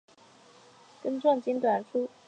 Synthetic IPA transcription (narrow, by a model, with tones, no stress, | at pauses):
kə˥nʈ͡ʂwɑ˥˩ŋt͡ɕi˥nt̪wa˨˩nfʰu˥